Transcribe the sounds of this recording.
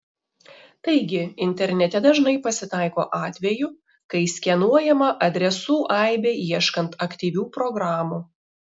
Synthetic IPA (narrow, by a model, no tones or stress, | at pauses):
t̪ɐɪɡʲɪɪnʲt̪ʲɛɾʲnʲɛt̪ʲɛd̪ɐʒnɐɪpɐsʲɪt̪ɑˑɪko̰ːʔɑːt̪ʲʋʲɛjʊ | kɐɪsʲkʲɛnuɔjɛmɐʔɐd̪ʲɾʲɛsuːʔɐˑɪbʲeiɛʃkɐnt̪ɐkʲt̪ʲiːʋʲuːpɾɔɡɾɑːmuː